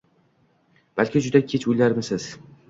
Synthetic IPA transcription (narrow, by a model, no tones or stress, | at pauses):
b̥alkʲɪd͡ʒʊd̪akʲʰet͡ʃʰʊjlaɾmɪsɪz̥